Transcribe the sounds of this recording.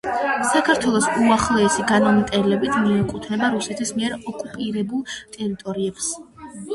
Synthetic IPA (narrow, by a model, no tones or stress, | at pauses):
sakʰaɾt̪ʰwɛlˠɔsuaχlˠɛːsiɡanɔmt̪ʼɛlɛbit̪ʰmiɛkʼut̪ʰnɛbaɾusɛt̪ʰismiɛɾɔkʼupʼiɾɛbulˠt̪ʼɛɾit̪ʼɔɾiɛbs